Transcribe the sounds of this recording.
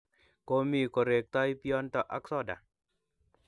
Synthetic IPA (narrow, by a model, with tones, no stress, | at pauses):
ko˦mi˦˨ko˨ɾe˨k̚t̪a˦jpiɔ˦nt̪ɔ˦ʔa˦ksɔ˦da̰˨